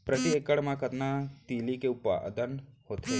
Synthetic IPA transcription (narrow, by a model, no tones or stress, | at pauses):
pɾət̪iekəɽmãkət̪nat̪iːlikeʊpa̰d̪ənhoːt̪e